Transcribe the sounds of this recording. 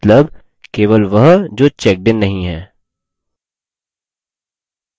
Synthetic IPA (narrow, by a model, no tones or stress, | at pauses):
t̪ləb | keːʋəlʋɐɦd͡ʒoːt͡ʃɛk̚bɪnːɐɦĩɦɛː